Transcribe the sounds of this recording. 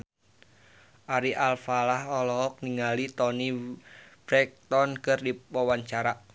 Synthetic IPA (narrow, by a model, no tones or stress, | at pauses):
ʔaɾiʔalfalahɔlɔk̚niŋalit̪ɔni | b̥ɾɛk̚t̪ɔnkɨrdipɔwaɲt͡ʃaɾa